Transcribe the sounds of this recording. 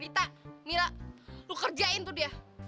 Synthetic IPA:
ɾit̪amiɾalukərd͡ʒaɪnt̪udia

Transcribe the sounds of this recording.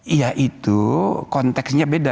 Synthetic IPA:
jaʔit̪ukɔnt̪ɛksɲabeda

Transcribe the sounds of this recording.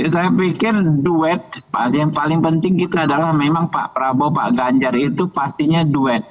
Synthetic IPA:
sajapikɪrduɛt̪̚pa̰ijaŋpalɪŋpənt̪ɪŋkit̪aːdalahmemaŋpa̰ʔpəɾabopa̰ʔɡaɲd͡ʒarit̪upast̪iɲaduɛt̪̚

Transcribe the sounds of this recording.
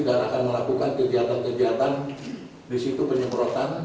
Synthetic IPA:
ɡaɾakanməlakukankəɡiat̪ankəɡiat̪an | disit̪upəɲəmbɾot̪an

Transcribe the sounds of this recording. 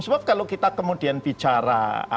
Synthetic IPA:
səbap̚kalokit̪akəmudianbit͡ʃaɾa̰a̰

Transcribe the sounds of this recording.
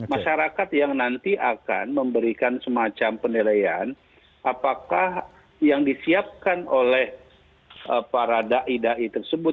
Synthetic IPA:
maʃaɾakat̪jaŋnant̪iʔaka̰nməmbəɾikansəmat͡ʃampənelajan | ʔapakah | jaŋdisiap̚kanolɛh | əpaɾadaʔidaʔit̪ərsəbʊ

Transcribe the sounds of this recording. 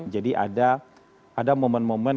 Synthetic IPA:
d͡ʒadiʔa̰da | adamomɛnmomɛn

